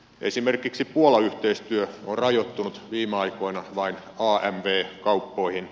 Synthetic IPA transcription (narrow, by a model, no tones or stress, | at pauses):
ʔḛsimerkiksipuolɑyht̪eist̪yøorrɑjot̪ːunut̪ʋiːmeɑikoinɑʋɑin | ɑːʔæmʋeːkɑupːoihin